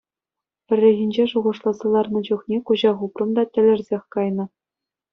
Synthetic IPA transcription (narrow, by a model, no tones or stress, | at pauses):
pʲɘ̆rʲːĕɣʲinʲd͡ʑeʂuʁɤ̆ʂlˠɑzɑlˠɑrnɤ̆d͡ʑuχnʲekuʑɑʁuprɤ̆md̪ɑtʲɘ̆lʲɘ̆rʲzʲexʲkɑjnɤ̆